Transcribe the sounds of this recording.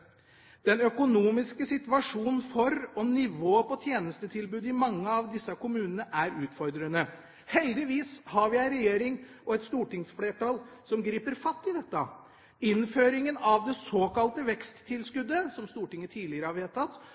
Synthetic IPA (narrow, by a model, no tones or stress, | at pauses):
d̪̥ɛnœkʊnuːmɪskəsɪt̪ʋɑʂuːnn̩fɔɾɔnɪʋoːpʰɔt̪ʰjeːnəst̪ət̪ʰɪlbʉːd̪ɪmɑŋːəɑʋd̪ɪsːəkʰʊmʉːnənəʔæɾʉːt̪fɔɾd̪ɾənə | hɛld̪ɪʋiːshɑɾʋɪæɪɾɛjeːɾɪŋɔɛt̪st̪uːʈɪŋsfleːʈɑlsɔmɡɾiːpəɾfɑt̪ːɪd̪ɛt̪ːə | ɪnføːɾɪŋənɑʋd̪ɛsoːkɑlt̪əʋɛkst̪ʰːɪlskʉd̪ːəsɔmst̪uːʈɪŋːət̪ʰiːlɪəɾəhɑɾʋeːt̪ɑt̪ː